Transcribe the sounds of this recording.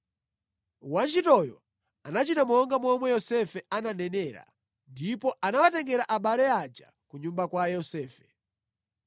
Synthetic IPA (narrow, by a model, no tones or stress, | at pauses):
want͡ʃitɔjɔ | anat͡ʃitamɔŋɡamɔmwɛjɔsɛfɛananɛnɛːɾa̰ | ndipɔʔanawatɛŋɡɛɾaʔaɓalɛad͡ʒa̰ | kuɲumbakwajɔsɛːfɛ̥